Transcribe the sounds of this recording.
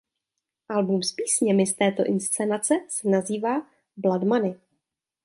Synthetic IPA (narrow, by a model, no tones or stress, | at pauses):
ʔalbumspiːsɲɛmɪst̪ɛːt̪o̞ʔɪnst͡sɛnat͡sɛsɛnaziːvaː | bladmanɪ